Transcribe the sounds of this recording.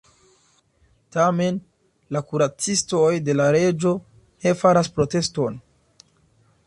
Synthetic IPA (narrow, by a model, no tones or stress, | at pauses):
tame̞n | lakuɾat͡sisto̞jde̞laɾe̞d͡ʒo̞ | ne̞faɾaspɾo̞te̞sto̞n